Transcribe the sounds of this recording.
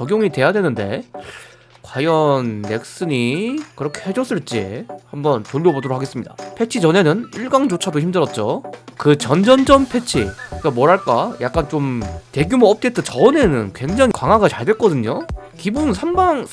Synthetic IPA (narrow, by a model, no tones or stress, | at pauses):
t͡ɕʌɡjoŋite̞jadwe̞nɯnde̞̰ | kwajʌnːe̞k̚s͈ɯɲikɯɾʌkʰe̞hed͡ʑʌs͈ɯɭt͡ɕ͈ḭhambʌntoʎːjʌbodoɾok̚ʰaɡe̞s͈ɯmɲida̰pʰe̞t͡ɕʰid͡ʑʌne̞nɯniɭɡaŋd͡ʑot͡ɕʰadoçimdɯɾʌt̚t͡ɕ͈okɯt͡ɕʌnd͡ʑʌnd͡ʑʌmpʰe̞t͡ɕʰik͈amwʌɾɦaɭk͈ajak͈ant͡ɕomte̞ɡjumɯʌp̚t͈et̚t͈et͡ɕʌne̞nɯnkwe̞ŋd͡ʑaŋikwaŋɦwaɡat͡ɕaɭdwe̞ɭk͈ʌdɯɲokibunsʰambaŋ